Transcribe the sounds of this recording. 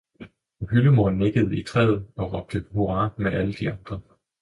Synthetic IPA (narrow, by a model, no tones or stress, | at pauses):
ɦyləmoɐ̰nːeɡ̥əð̞̩ˠit͡sʰʁɛ̰ːð̩ˠɒ̽ʁɒ̽b̥̚d̥əho̝ʁɑ̈ːmeʔæləd̥iɑ̈nd̥ʁɐ